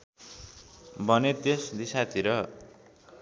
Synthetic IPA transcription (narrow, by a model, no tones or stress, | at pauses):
bʌnet̪esd̪isat̪ʰiɾʌ